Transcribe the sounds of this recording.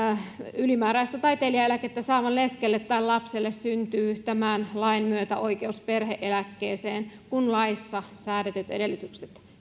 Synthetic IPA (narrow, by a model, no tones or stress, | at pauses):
ylimæːɾæist̪æt̪ɑjt̪eliɑelæket̪ːæsɑːʋɑnleskelːet̪ːæːllɑpselːessynt̪yːt̪æmæːnlɑinmyøt̪æ̰ʔoikeusperheʔelækːeːseːnkunlɑisːɑsæːɾet̪yt̪edelːyt̪ykset̪